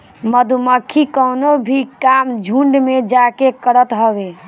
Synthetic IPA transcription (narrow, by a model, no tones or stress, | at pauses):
məd̪ʱuməkʰːikənobʱikamd͡ʒʱũɳɖmed͡ʒakekəɾət̪ɦəbe